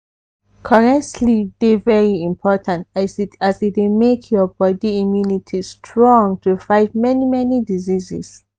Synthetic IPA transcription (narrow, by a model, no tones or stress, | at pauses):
kʰɔɹɛk̚tʰlidevɛɹiĩmpʰɔtʰãntasasitdemekʰjɔbɔdiimjunitʰistʰɹɔ̃ŋtʰufaɪvmɛnimɛnidizizis